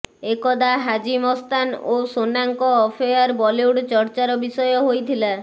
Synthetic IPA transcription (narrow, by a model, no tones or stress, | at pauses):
ekɔd̪aɦad͡ʒimɔst̪anosonaŋkɔːpʰejaɾbɔliuɽt͡ʃɔɾt͡ʃaɾɔbisɔjɔɦojt̪ʰila